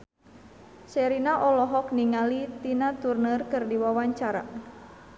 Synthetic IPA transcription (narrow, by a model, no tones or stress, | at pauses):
sɛɾinaʔɔlɔɦɔk̚niŋalit̪inat̪urnərkɨrdiwawaɲt͡ʃaɾa̰